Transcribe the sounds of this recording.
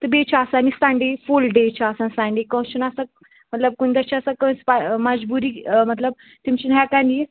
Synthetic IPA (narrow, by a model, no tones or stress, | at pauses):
t̪əbet͡ɕʰaːsaːnisãɳɖefulɖet͡ɕaːsãnsãɳɖekə̃w̃ɕunasa | mət̪ləb̚kuñd̪at͡ɕaasakə̃spaməd͡ʑbuɾiːmət̪ləb̚ | t̪imt͡ɕinɦɛkãni